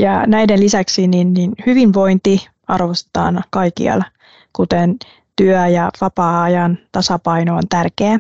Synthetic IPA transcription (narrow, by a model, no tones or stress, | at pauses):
jɑnæidenlisæksininninhyʋinʋo̞int̪i | ɑrʋost̪e̥t̪ɑ̰ːnkɑikḭɑ̰l | kut̪en | t̪yœjɑʋɑpɑːɑjɑnt̪ɑsɑpɑinoont̪ærkeæ